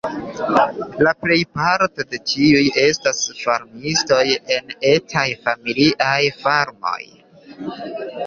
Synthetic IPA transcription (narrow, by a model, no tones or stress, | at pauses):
laple̞jpaɾtode̞t͡ʃiuje̞stasfaɾmisto̞je̞netʰajfamiliʔajfaɾmo̞̰j